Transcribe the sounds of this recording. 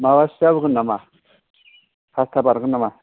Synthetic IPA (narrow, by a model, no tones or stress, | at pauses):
mawaɕalkənama | pʰast̪ʰabaɾkənama